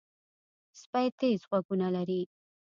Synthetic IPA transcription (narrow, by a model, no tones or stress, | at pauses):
spajt̪ezɣwaɡunalaɾi